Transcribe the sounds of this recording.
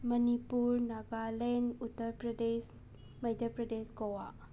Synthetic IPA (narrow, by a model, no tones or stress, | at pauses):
mɐnipuɾnaɡalɛnutəɾpɾɐdes | majdəpɾɐdesɡɔwa